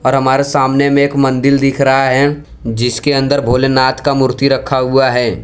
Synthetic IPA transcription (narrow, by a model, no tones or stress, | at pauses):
ɔːɾɦɐmaːɾesaːmnemẽːkmɐ̃nd̪ɪld̪ɪkʰɾɐɦaɦɛ | d͡ʒɪskeɐ̃nd̪əɾbʱoːlenaːt̪kamʊɾt̪iɾɐkʰːaɦʊaɦɛː